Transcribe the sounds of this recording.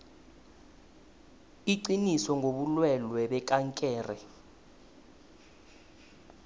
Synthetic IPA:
iǀinisɔŋʱoɓulwɛlwɛɓɛk̬ʼaŋkʼɛːrɛ̰

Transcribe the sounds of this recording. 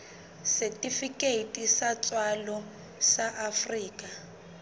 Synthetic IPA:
sɛtifikʼeitʼisat͡swalɔ | saʔafriːkʼa

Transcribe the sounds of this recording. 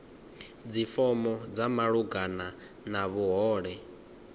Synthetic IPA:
d͡zifɔmɔd͡zamaɺuɡana | naβuɦɔːɺɛ

